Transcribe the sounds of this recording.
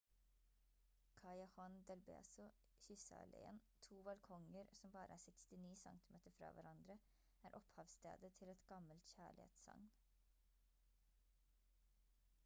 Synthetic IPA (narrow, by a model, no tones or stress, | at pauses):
kʰɑɪɑhɑnd̪ɛlbḛːsʊ | çʏsɑ̰lʔɛ̰ə̰nt̪ʰuːbɑlkʰɔŋəɾsɔmbɑːɾəʔæːsɛkst̪ɪniːsɑ̰ŋt̪ɪmeːt̪əɾfɾɑ̰ːʋæɾɑnd̪ɾə | æːɾʔɔphɑːʋst̪ḛːd̪ət̪ʰɪlɛt̪ɡ̥ɑməlt̪çæːɭɪ̰hḛːt̪sɑ̰ŋn